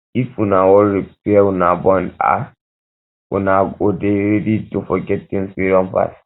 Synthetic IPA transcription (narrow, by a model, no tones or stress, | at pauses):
ifwunawɔlɹipɛwunabɔ̃nda̰ | wṵnaodeɹeditofɔɡɛttĩŋspiɾɔ̃mpa̰s